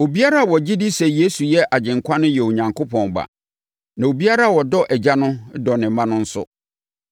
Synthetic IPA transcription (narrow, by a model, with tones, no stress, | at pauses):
o˨bi˦a˦ɾa˦a˨wɔ˨d͡ʑɪ˦dɪ˦sɛ˨je˦su˨jɛ˦ʔa˨d͡ʑɪ̃˨ŋkʷʰã˦nʊ̃˦jɛ˨o˨ɲã˨ŋkʰo˦pʰɔ̃˨m˨ba̰˨ | nã˨o˨bi˦a˦ɾa˦˨wɔ˨dɔ˦ʔɛ˨d͡ʑa˦nʊ̃˦dɔ˨nɪ̃˨mːã˦nʊ̃˦n̩˦sʊ̰˦